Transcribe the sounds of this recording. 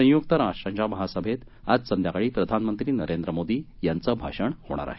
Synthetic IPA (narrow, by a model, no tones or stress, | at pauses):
ə̃jukt̪əɾaãɲd͡ʑaməɦasəbʱet̪ | ad͡zsənd̪ʱjakaɭiːpɾəd̪ʱanmənt̪ɾiːnəɾend̪ɾəmod̪iːjant͡səːbʱa̰ʂəɳho̰ɽ̃a̰ɾa̰ɦe